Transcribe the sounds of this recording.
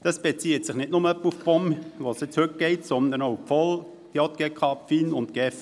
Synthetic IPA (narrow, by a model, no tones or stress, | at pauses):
d̥ɑsb̥et͡siːətsɪχnɪtnʊməœpːufb̥ɔmʋoːsjɛt͡shøt̚ɡ̥ɛɪtsɔnd̪ənoʊpfɔl | kjɔt̪̚kɛkχɑpfiːnʊntɡ̥ɛf